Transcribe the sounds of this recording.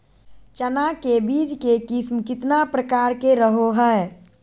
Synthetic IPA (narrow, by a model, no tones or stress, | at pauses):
t͡ʃənakebiːd͡ʒkekɪsmkɪt̪napɾəkaːɾkeɾəɦoɦə